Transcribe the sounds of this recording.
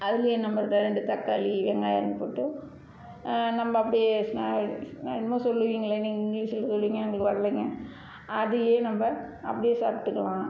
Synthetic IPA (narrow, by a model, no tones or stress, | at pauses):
ɐðɯkːɐjeːnɐmbɐɾt̪ːɐɾɛɳɖɯt̪ɐkːaːliʋɛŋɡaːjɪ̰ɾɯnd̪ɯpoːʈːɯ | nɐmbɐɐpːɐɽɪjesna | nmõsɔlːɯʋiːŋɡɐlɐnɪŋɡɪŋɡliːsɪlːsɔlːʋiːŋɡɐnɐŋɡɐɭɯkːɯʋɐɾɐliŋɡɐ | ɐðɯjeːnɐmbɐɐpːɐɽɪjeːsa̰ːɾpʈːɯkːɐɭãː